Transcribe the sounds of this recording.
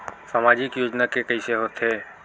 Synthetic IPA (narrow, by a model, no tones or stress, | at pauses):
samaːd͡ʒɪkjoːd͡ʒnakekəɪseɦot̪ɦeː